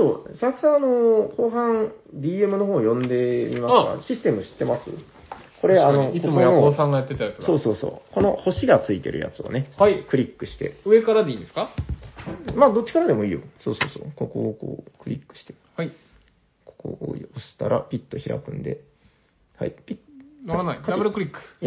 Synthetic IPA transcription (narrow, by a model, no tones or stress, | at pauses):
soːɕakɯ̟̥sãɰ̃ano̞ko̞ːɦãŋd̪ʲiːemɯ̟no̞ɦoːjõ̞nd̪e̞mʲimaka̰ɕisɨ̥t̪e̞mɯ̟ɕi̥t̪ːe̞masɨ̰ | ko̞ɾe̞anoikoooːsãŋɡajat̪ːet̪aɾt̪osso̞ːsoːso̞̰ːko̞no̞̰ho̞ɕiɡat͡sɨit̪e̞ɾʔɯ̟ja̰t͡sɨo̰ne̞hakɯ̟ɾʲikːɯ̟̥ɕi̥t̪e̞̰ɯ̟e̞kaɾad̪eĩːnd̪esɨ̥ka | mad̪o̞t͡ɕːi̥kaɾad̪e̞mo̞iːjo̞so̞̰ːso̞ːsoːkokoko̰ːkɯ̟ɾʲikːɯ̥ɕi̥t̪e̞ | hai | ko̥ko̰oosɨ̥t̪a̰ɾa̰pʲit̪ːo̞çiɾa̰kɯ̟̃nd̪e̞̰ | ha̰ipʲinanaikaɾbɯɾɯkɯ̟ɾʲikːɯ̥ja